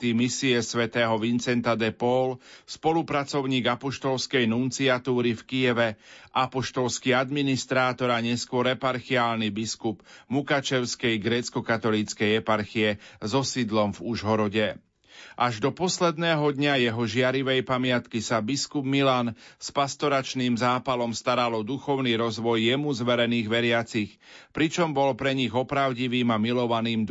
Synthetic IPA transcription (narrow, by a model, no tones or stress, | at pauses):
t̪imisiɛsʋɛt̪ɛːɦɔʋint͡sɛnt̪ad̪ɛpɔlspɔlupɾat͡sɔʊɲiːɡapɔʃt̪ɔlskɛjnunt͡siat̪uːɾifkijɛʋɛʔapɔʃt̪ɔlskiad̪minist̪ɾaːt̪ɔɾaɲɛskʊɔɾɛpaɾxiaːlnibiskubmukat͡ʃɛʊskɛjɡɾɛːt͡skɔkat̪ɔliːt͡skɛjɛpaɾxiɛzɔsid̪lɔmvuʒɦɔɾɔɟɛ | ʔaʒd̪ɔpɔslɛd̪nɛːɦɔd̪ɲajɛɦɔʒɪaɾiʋɛjpamɪat̪kisabiskubmilanspast̪ɔɾat͡ʃniːmzaːpalɔmst̪aɾalɔd̪uxɔʊniɾɔzʋɔjːɛmuzʋɛɾɛniːɣʋɛɾɪat͡six | pɾit͡ʃɔmbɔlpɾɛɲiɣɔpɾaʊɟiʋiːmamilɔʋaniːm